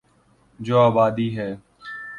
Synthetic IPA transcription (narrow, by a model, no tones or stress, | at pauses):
d͡ʒoːaːbaːd̪iːɦɛː